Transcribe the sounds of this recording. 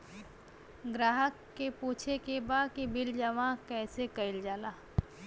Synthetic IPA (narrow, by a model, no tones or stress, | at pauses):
ɡɾaːɦəkːepuːt͡ʃʰekebaːd̪kibɪld͡ʒəʋãkɛːsekɐɪld͡ʒaːlaː